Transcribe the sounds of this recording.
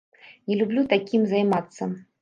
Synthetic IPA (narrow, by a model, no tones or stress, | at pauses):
nʲɛlʲublʲut̪akʲimzajmat̪sːɐ